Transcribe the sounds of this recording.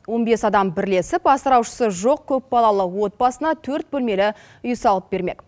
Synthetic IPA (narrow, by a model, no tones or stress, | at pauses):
wo̞nbe̞sɑd̪ɑmbɪɾle̞sɪpɑsəɾɑwʃə̥səʒo̞q̚kʲʰɵp̚bɑlˠɑlˠəwo̞t̪̚bɑsənɑt̪ʰɵɾt̪̚bɵlme̞lɪ | ʊjsɑlˠəp̚be̞ɾme̞k